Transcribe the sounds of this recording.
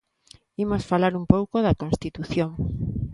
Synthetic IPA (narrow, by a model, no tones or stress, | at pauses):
imosfalaɾumpowkoðɐkõnst̪it̪uθjoŋ